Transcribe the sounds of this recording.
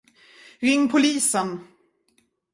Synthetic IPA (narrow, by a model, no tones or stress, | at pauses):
ɾɪŋːpʰʊliːsən